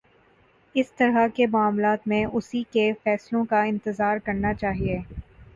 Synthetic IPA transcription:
ɪst̪ɐɾakemʊaːmlaːt̪mẽʔʊsikefɛːslõkaɪ̃nt̪ɪzaːɾkɐɾnat͡ʃaːɦieː

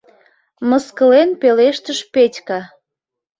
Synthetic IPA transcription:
məskəlenpeleʃt̪əʃpetʲkɑ

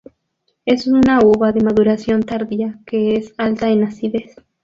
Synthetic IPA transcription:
e̞sunauβaðe̞maðuɾasjo̞nt̪aɾðiake̞esalt̪aenasiðe̞s

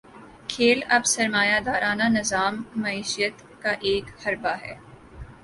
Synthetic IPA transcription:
kʰeːlɐbsɐɾmaːjad̪aːɾaːnanɪzaːmːɐiːʃijət̪ | kaʔeːkhɐɾbaɦɛ̰ː

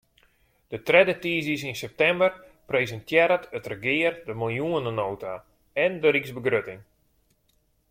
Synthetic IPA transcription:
d̥ətrɛdətiːzisinsɛp̚tɛmbərprejzəntʰjɛɾətətrəɡɪːərdəmɪlˠjuənənoːta | ɛndəɾiksbəɡrøtɪŋ

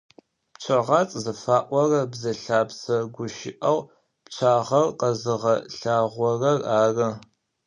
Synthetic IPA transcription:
pt͡ʃʷʰɐʁɑt͡sʼzɐfaːʔʷɔrɐbzɐɬaːpsɐɡʷʊʃɪ̰ʔɐw | pt͡ʃʷʰaːʁɐrqɐzɨʁɐɬaːʁʷɔrɐraːrɐ

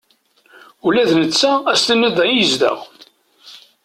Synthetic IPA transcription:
ulæðnət͡sːææst̪ənːəðˤɑnjəzd̪ə̰ʁ

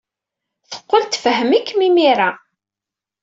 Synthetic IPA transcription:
θə̥qːəlt̪fəɦəmikːmimiɾa

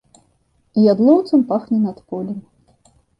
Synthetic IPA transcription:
jad̪lˠɔwt̪sɨmpaxnʲɛnɐt̪pɔlʲim

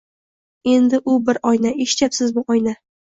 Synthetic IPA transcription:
e̞nd̪ɪʔʊbɪɾɒjnaeʃt͡ʃapsɪzbʊʔɒjna

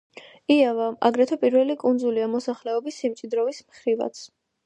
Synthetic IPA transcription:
iavaʔa̰ɡɾɛt̪ʰɔpʼiɾvɛlikʼund̪zuliamɔsaχlɛɔbisːimtt͡ʃʼid̪ɾɔvismχɾiva̰t̪sʰ

